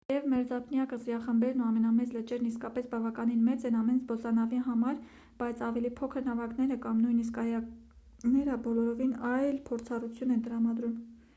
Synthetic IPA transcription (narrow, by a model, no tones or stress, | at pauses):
jɛvmɛɾd͡zɑpʰnjɑkəzɾɑχəmbɛɾnuɑmɛnɑmɛt͡slət͡ʃɛɾniskɑpɛsbɑvɑkɑninmɛt͡sɛnɑmɛnzbɔsɑnɑviɦɑmɑɾ | b̥ɑjt͡sʰɑvɛlipʰɔkʰəɾnɑvɑknɛɾəkɑmnujnis̬kɑjɑ | nɛɾəbɔlɔɾɔvinɑjlpʰɔɾt͡sʰɑrut͡sʰjunɛnt̪əɾɑmɑd̪ɾum